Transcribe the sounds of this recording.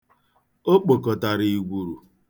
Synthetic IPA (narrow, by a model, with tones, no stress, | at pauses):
o˦k͡po˨kɔ˨ta˨ɾi˨i˨ɡʷu˨ɾu˨